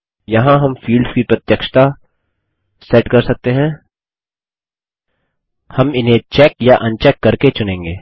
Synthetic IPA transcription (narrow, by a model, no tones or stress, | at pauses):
jɐɦãɦɐmfiːlɖskipɾɐt̪jəkʃt̪a | sɛːʈkɐɾsɐk̚t̪eɦɛ̃ː | hɐmɪnɦẽt͡ʃɛːkjaʔɐ̃nt͡ʃɛːkːɐɾket͡ʃʊnẽːŋɡeː